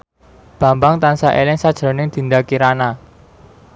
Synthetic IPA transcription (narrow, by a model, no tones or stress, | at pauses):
b̥ä̤mbaŋt̪ansaʔelɪŋsad̥ʒ̥ɾo̤nɪŋd̪̥i̤nd̪akiɾana